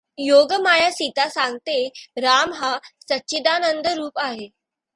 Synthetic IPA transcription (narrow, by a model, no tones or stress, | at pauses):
joɡəmajasit̪asaŋɡt̪eɾamɦasətːɕid̪anənd̪ʱəɾuːpaɦe